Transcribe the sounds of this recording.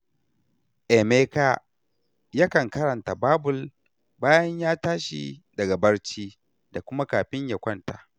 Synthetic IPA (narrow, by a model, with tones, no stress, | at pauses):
ʔe˨meː˦ka˦ | jaː˦kɐ˨ŋkɐ˦ɾɐ˨nta˨baː˦bʊ˨l | baː˦jɐ˦ɲjaː˦taː˦ʃḭ˨dɐ˨ɡa˨bɐ˦rt͡ʃiː˦ | da˨kʷʊ˦ma˦kaː˨ɸɪ˦ɲja˨kʷɐ˦˨nta̰˨ʔ